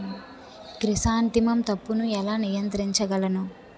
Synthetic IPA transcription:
kɾisaːnt̪imɐmt̪ɐpːunuɛlaːnijɐnt̪ɾiɲt͡ʃɐɡɐlɐnu

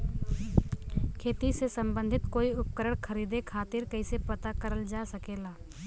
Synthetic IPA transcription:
kʰeːt̪isesɐ̃mbə̃nd̪ʱɪt̪koːiʊp̚kəɾəɽ̃kʰɐɾiːd̪ekʰaːt̪ɪɾkɐisepɐt̪akɐɾəld͡ʒaːsɐkeːlaː

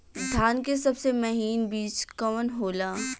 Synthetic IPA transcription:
d̪ʱjaːnkesɐbsemɐɦiːnbiːt͡ʃkɐmənɦoːlaː

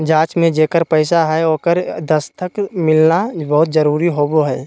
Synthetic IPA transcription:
d͡ʒãːt͡ʃmẽd͡ʒeːkəɾpɛɪsaɦɛoːkəɾd̪əst̪ʰəkmɪlnabɐɦʊt̪zəɾuːɾiɦoːboɦɛː

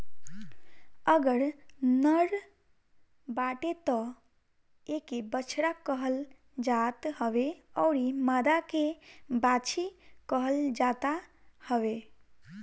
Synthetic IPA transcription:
əɡəɾnəɾ | baʈet̪ɔ | ekebət͡ʃʰɾakəɦəl | d͡ʒat̪həbeɔʊɾimad̪akebat͡ʃʰikəɦəld͡ʒat̪a | həbe

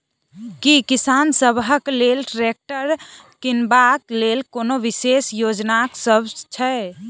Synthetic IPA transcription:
kikisansəbɦəklelʈɾek̚ʈəɾ | kinbaklelkonoʋisesjod͡ʒnaksəbt͡ʃʰɛ

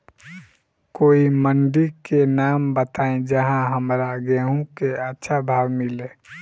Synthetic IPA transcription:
koːimənɖikenaːmbət̪aːẽd͡ʒəɦãɦəmɾaɡeɦũkeətːʃʰabʱaːʋmɪleː

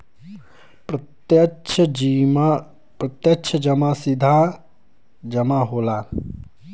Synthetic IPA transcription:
jt͡ʃʰim | pɾɐt̪jəkt͡ʃʰəd͡ʒɐmasɪd̪ʱa | d͡ʒɐmaɦoːlaː

